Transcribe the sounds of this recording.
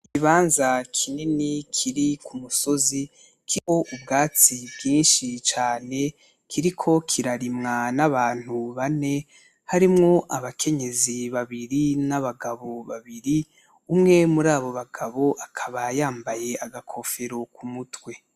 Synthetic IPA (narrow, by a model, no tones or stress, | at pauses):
ikiβaːnzakʰininikʰiɾikʰumuso̞zi | kʰioʔubɡaːt͡sibɡiːnʃit͡ʃaːne̞ | kʰiɾikʰo̞kʰiɾaɾimŋanaβaːn̥huβane̞ | haɾimŋo̞ʔaβakʰe̞ɲe̞ziβaβiɾinaβaɡaβo̞βaβiɾi | umŋe̞muɾaːβo̞βaɡaβo̞ʔakʰaβajaːmbaje̞aɡakʰo̞fe̞ɾo̞kumutwe̞